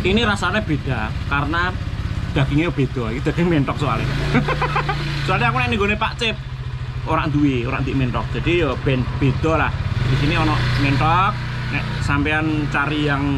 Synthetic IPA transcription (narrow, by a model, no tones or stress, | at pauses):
iniɾasaneb̥e̤d̥a̤kaɾənad̪̥ä̤kiŋeb̥e̤d̪̥ɔ̤ikid̪̥a̤ɡ̥ɪŋmeɳʈ̪ɔk̚sua̰lḭ | sualiakunɛʔniŋɡonepa̰ʔt͡ʃɪp̚ | oɾa̰ʔnd̪uwioɾa̰ʔnd̪iʔmɛɳʈɔk̚dd͡ʒ̥a̤d̥ijɔb̥ɛnb̥ed̪̥ɔ̤lahd̥isiniɔnɔʔmeɳʈɔk̚ | nɛʔsampeant͡ʃaɾijaŋ